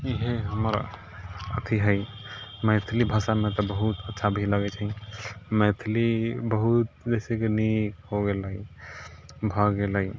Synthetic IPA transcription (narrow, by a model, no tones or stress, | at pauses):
iɦeɦəməɾ | ə̰t̪ʰiɦəj | mɛt̪ʰlibʱəsanmet̪ɔbəɦut̪ətːʃʰabʱiləɡɛt͡ʃʰəmɛt̪ʰlibəɦut̪̚d͡ʒɛɪsekenikɦoɡeli | bʱəɡelai